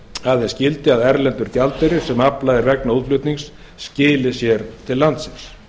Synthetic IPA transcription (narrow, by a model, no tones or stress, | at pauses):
aðɛnscɪlt̪ɪaðɛɾlɛnt̪ʏɾcalt̪ɛjɾɪɾ̥sɛmaplaːðɪɾvɛknauːt̪lʏht̪niŋksː | cɪːlɪsjɛɾt̪ʰɪlːant̪sɪns